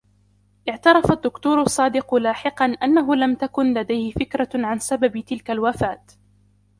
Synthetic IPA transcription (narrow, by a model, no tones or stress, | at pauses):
ʔɪʕt̪ɑɾˤɑfad̪ːʊkt̪uːɾʊsˤːɑːd̪ɪqʊlaːħɪqɑnʔanːaɦʊlamt̪akʊnlad̪ajhɪfɪkɾaʕansababt̪ɪlkalwafaːt̪